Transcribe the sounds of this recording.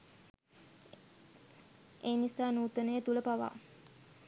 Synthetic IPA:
eːnisaːnuːt̪ənəjət̪uləpaʋa̰

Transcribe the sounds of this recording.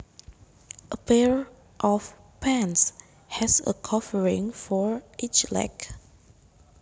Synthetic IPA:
ʔəpɛɹ | ʔɔf | pʰɛ̃ns | hɛsə̰kʰɔvəɹɪ̃ŋfɔɹʔit͡ʃlɛ̰k

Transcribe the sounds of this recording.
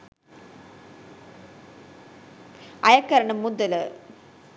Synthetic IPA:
ɐjɐkːɐɾɐɳɐmːud̪ɐl

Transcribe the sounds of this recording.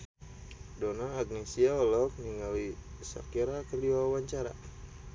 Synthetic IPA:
donaːɡnesiaɔlɔk̚niŋalisa̰kiɾakərdiwawaɲt͡ʃaɾa̰

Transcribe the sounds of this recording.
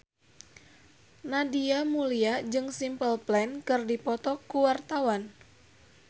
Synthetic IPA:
nadiamuliad͡ʒɨŋsimpəlplɛnkɨrdipɔt̪ɔkuwart̪awan

